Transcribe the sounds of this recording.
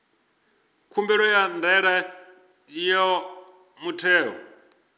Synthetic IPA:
kʰumbɛɺɔjandɛɺa | jɔ | mutʰɛːɦɔ̰

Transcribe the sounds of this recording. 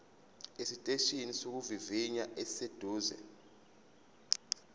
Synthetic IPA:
esitʼeʃinisok̬uviviɲaʔɛsed̥ʱuːzɛ̰

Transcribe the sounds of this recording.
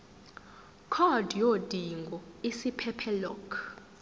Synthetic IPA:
kʰɔd̥ʱjod̥ʱiŋɡʱɔisipʰɛpʰɛlɔkʰ

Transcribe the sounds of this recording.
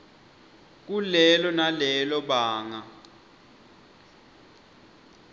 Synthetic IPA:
k̬ulɛlɔnalɛlɔɓaːŋa

